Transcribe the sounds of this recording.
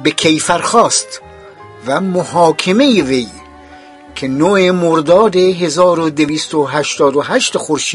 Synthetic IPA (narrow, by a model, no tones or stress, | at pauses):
bekʰejfæɾxɒːst̪ | væmohɑːkʰeme̞jevej | kʰenoemoɾd̪ɒːd̪eɦezɒːɾod̪eviːst̪oɦæʃt̪ɒːd̪oɦæʃt̪exoɾʃiː